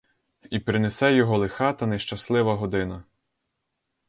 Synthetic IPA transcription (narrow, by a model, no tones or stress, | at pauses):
ipɾɪnesɛjɔɦɔlˠexɑt̪ɐnɛʃt͡ʃɐslˠɪʋɐɦɔd̪ɪnɐ